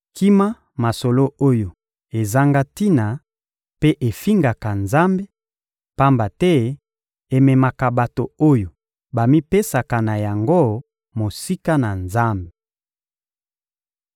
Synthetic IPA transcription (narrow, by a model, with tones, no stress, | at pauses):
ki˦ma˦ | ma˨so˨lo˦o˦jo˨ | e˨za˦ŋɡa˦ti˦na˨ | pe˦ʔe˨fi˦ŋɡa˨ka˨nza˦mbe˦ | pa˦mba˨tɛ˦ | e˨mɛ˨ma˨ka˨ba˨to˨o˦jo˨ | ba˨mi˦pe˦sa˨ka˨na˨ja˨ŋɡo˦ | mo˨si˦ka˦na˨nza˦mbe˨